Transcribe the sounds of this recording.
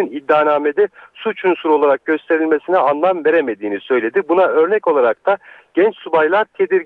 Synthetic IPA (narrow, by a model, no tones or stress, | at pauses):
inid̪ːaːnaːme̞d̪ɛsut͡ʃʰunsuɾolˠaɾak̚ɟø̞st̪ʰe̞ɾilʲme̞sinɛanlˠamve̞ɾeme̞d̪iːnisø̞jlʲe̞d̪ibunaø̞ɾnɛco̞lˠaɾak̚t̪ʰaɟ̥ɛnt͡ʃsubajlˠaɾt̪ʰe̞d̪iɾ